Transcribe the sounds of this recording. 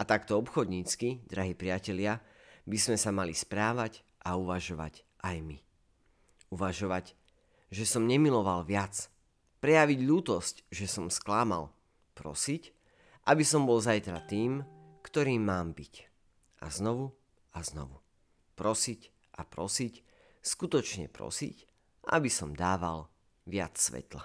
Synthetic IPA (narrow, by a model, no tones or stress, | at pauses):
at̪akt̪ɔɔpxɔd̪ɲiːt͡skid̪ɾaɦiːpɾɪacɛʎɪabizmɛsamalispɾaːʋac | ʔauʋaʒɔʋa̰c | ʔajmi | uʋaʒɔʋaɟ | ʒɛsɔmɲɛmilɔʋalʋɪat͡s | pɾɛjaʋiɟʎuːt̪ɔscʒɛsɔmsklaːma̰l | pɾɔ̰sic | ʔabisɔmbɔlzajt̪ɾat̪iːmkt̪ɔɾiːmːaːmbic | ʔa̰znɔʋu | aznɔ̰ʋu | pɾɔsic | ʔapɾɔsic | skut̪ɔt͡ʃɲɛ̰pɾɔ̰sḭc | ʔabisɔmd̪aːʋal | ʋɪa̰t͡ssʋɛ̰t̪la̰